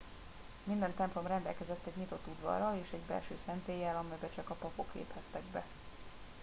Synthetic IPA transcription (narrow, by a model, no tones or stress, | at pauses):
mind̪ɛnt̪ɛmplo̞mrɛnd̪ɛ̰lkɛzɛt̪ːɛɟɲit̪o̞t̪ːud̪ʋɒ̰rɒleːʃɛɟbɛ̰lʃøːsɛnt̪eːjːɛlɒmɛjbɛt͡ʃɒkɒpɒpo̞klḛːphɛt̪ːɛɡbɛ